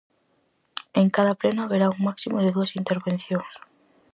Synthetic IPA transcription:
eŋkaðaplenaaβeɾauŋmaksimoðeðuasint̪eɾβenθjoŋs

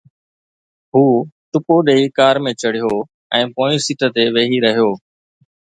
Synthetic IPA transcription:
ɦuːt̪ʊpoːɗeːikaːɾmẽːt͡ʃəɽ̤ɪjoː | ɛ̃ːpõːisit̪ət̪eːʋeːɦiːɾəɦijoː

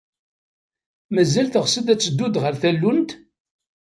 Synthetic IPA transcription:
mæzælθəʁsəd̪æt͡sːəd̪ːud̪ʁəɾθælːunt̪

